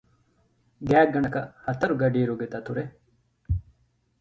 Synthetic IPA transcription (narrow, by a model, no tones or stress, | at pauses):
ɡaːɡɐɳɐkɐhɐt̪ɐɾuɡɐɖiːɾuɡet̪ɐt̪ʰuɾe